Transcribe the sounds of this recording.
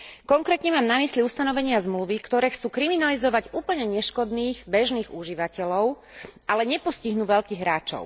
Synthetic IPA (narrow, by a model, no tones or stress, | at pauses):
kɔŋkɾɛːt̪ɲɛmaːmnamisliust̪anɔʋɛɲɪazmluʋikt̪ɔɾɛːxt͡suːkɾiminalizɔʋaɟuːpl̩ɲɛɲɛʃkɔd̪niːɣbɛʒniːɣuʒiʋacɛʎɔʊ | ʔalɛɲɛpɔsciɦnuːʋɛʎkiːɣɦɾaːt͡ʃɔ̰ʊ